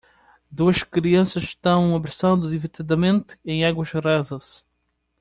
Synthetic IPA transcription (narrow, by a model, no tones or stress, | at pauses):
d̪uɐʃkɾiɐ̃sɐsʃt̪ɐ̃w̃ũmɐβeɾsɐ̃w̃d̪ʊðivit̪id̪ɐmẽnt̪ʊ̥ẽj̃aɣwɐʃrɛzɐs